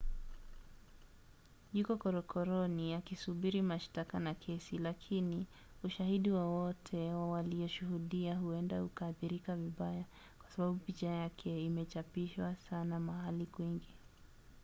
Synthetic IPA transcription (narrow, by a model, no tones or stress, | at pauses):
ʄukɔkɔɾɔkʰɔɾɔniakisuɓiɾimaʃtakanakʰɛsilakʰini | uʃahiɗiwawɔtʰɛwawaliɔʃuhuɗiaɦuɛndahukaθiɾikaviɓaja | kwasaɓaɓupit͡ʃajakʰɛimɛt͡ʃapiʃwasanamahalikwiŋɡi